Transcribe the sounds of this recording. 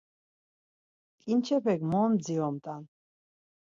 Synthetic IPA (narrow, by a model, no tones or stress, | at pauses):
kʼint͡ʃʰɛpʰɛɡmɔːmd̪d͡ziɔmt̪ʼan